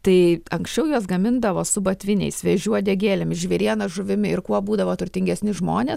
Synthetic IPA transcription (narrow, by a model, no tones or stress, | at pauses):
t̪ɐɪɐŋksʲt͡ʃʲɛʊjuɔs̬ɡɐmʲɪnd̪ɐʋoːsʊbɐt̪ʲʋʲɪnʲɛ̰ɪsʋʲɛʒʲuɔd̪ʲɛːɡʲeːlʲɛmɪʒʲʋʲiɾʲiɛnɐʒʊʋʲɪmʲɪɪɾkuɔbuːd̪ɐʋoːt̪ʊrʲt̪ʲɪŋɡʲɛsʲnʲɪʒmoːnʲeːs